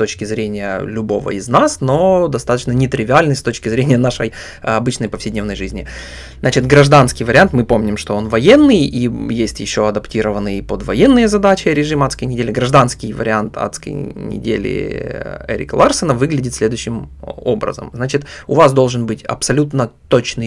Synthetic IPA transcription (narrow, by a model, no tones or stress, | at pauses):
t̪ot͡ɕkʲɪzɾʲenʲɪjə̰lʲʊbo̞və̰ɪznasno̞d̪ɐst̪at̪ət͡ɕnənʲɪt̪ɾʲɪvʲɪalʲnɨst̪ot͡ɕkʲɪzɾʲenʲɪjənaʂəj | ɐbɨt͡ɕnəjpəfsʲɪdʲnʲe̞vnəjʐɨzʲnʲɪ | znat͡ɕɪt̪ɡɾɐʐd̪anskʲɪjvəɾʲɪant̪mɨpo̞mnʲɪmʂt̪o̞o̞nvɐjenːɨjijesʲtʲjɪɕːo̞ɐd̪ɐptʲiɾəvənːɨjipod̪vɐjenːɨjəzɐd̪at͡ɕɪɾʲɪʐɨmat̪skəjnʲɪdʲelʲɪɡɾɐʐd̪anskʲɪjvə̰ɾʲɪant̪a̰t̪skə̰jnʲɪ̰dʲḛlʲɪ̰ | ɛ̰ɾʲɪ̰kəlˠarsənəvɨɡlʲɪdʲɪt̪sʲlʲe̞d̪ʊjɕːɪmo̞̰bɾə̰zə̰mznat͡ɕɪt̪ʊvasd̪o̞lˠʐɨnbɨtʲɐ̰psɐlʲut̪nət̪o̞t͡ɕnɨj